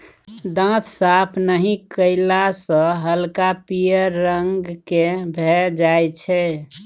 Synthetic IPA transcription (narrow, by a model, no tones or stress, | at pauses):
d̪ə̃t̪ʰsapʰnəɦĩkəɪlasə̃ɦəlkapijəɾːəŋɡkebʱɛd͡ʒajt͡ʃʰɛ